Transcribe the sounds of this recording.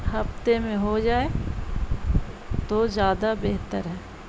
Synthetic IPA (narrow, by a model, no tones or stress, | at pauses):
hɐft̪emẽɦod͡ʒaːe | t̪ozjaːd̪abeɦt̪əɾɦɛː